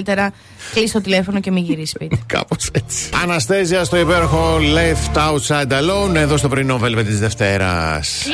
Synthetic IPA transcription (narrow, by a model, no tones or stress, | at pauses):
it̪eɾɐ | klist̪o̞t̪ile̞fo̞no̞ce̞miʝiɾisspit̪ekɐ̰poset͡si̥ɐnɐst̪eziɐst̪o̞ipe̞ɾoxo̞left̪ɐut̪sɐjd̪ɐlone̞ðo̞st̪o̞pɾinovelvet̪izðe̞ft̪e̞ɾɐ̰s